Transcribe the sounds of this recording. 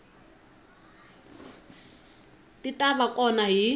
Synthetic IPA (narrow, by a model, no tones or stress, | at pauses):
tʼitʼaβakʼɔnaɦi